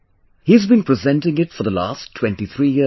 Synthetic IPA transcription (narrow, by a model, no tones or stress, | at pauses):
hizbĩnpɹɨzɛ̃ntɪ̃ŋɪtfəðəla̰ːstʰːw̥ɛ̃ntiθʰɾiːjɪ